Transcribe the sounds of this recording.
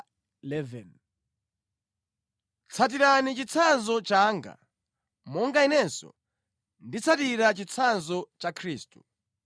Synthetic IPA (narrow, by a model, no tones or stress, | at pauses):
lɛvɛn | t͡sʰat̬iɾanit͡ʃit͡sʰanzɔt͡ʃaŋɡa̰ | mɔŋɡainɛnsɔ̰ | ndit͡sʰatiɾat͡ʃit͡sʰanzɔt͡ʃakʰɾiːstu